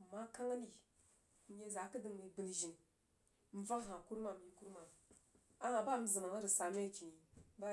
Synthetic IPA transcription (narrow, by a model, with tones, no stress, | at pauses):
ma˦ka˦ŋa˦ni˨ | n̩˦je˦za˨˦kə˦dɨ˨ŋ˨mi˨bɨ˨lʒi˨n | m̩˦va˦ŋ˦ɦã˨ku˦ɾma˨m˨ji˨ku˦ɾma˨ | a˦a˨ba˦˨m̩˦zɨ˨ma˨ŋ˦ɾi˨sa˨me˦˨ki˨˦ba˦